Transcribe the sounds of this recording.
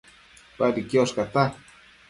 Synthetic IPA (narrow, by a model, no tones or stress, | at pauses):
padikjoskat̪a